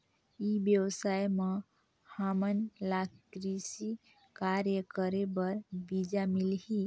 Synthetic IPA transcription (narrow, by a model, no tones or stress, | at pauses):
ibjəwsajmə | hamənlakɾisi | kaɾjəkəɾebəɾbid͡ʒamilɦi